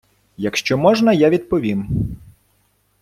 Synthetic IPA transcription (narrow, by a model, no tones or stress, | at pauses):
jɐkʃt͡ʃɔmɔʒnɐjaʋʲid̪pɔʋʲim